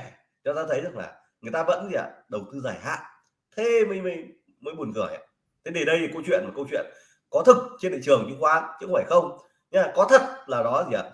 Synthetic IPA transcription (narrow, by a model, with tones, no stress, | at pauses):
t͡ɕɔ˧zaː˧t̪ʰə˨˦jzɨ˦˧˩ə˩la̰ː˨˩ | ŋɨ˨˩əjt̪aː˧və̰˧˥nzi˨a˧˩ɗə˨˩wt̪ɨ˧zaː˧˩jha̰ː˧˥ | t̪ʰe˧mə˧˦jmə˧j | məː˨˦jɓu˨˩ənkɨ˨˧˩əja̰˧˩ | t̪ʰe˨˦ɗe˨˩nɗə˧jkə˧wt͡ɕwḭ˧˨ənmaː˨˩kə˧wt͡ɕwḭ˧˨ən | kɔ˨˦t̪ʰɨ˨˩k̚t͡ɕe˧nɗḭ˧˨t͡ɕɨ˨˩əŋɲɨ˨˧˦xwaː˨˦nt͡ɕɨ˧˦˥kŋ͡mfaː˧˩jxə˧wŋ͡m | ɲa˧kɔ˨˦t̪ʰə˨˩t̚laː˨˩ɗɔ˨˦zi˨˩˨a̰˧˨˩